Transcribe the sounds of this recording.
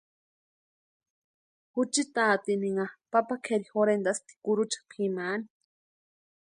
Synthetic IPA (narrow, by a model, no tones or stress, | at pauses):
hut͡ʃit̪aːt̪iniŋapapakʰeɾihoɾend̪ast̪i̥kuɾut͡ʃḁpʰimaːni̥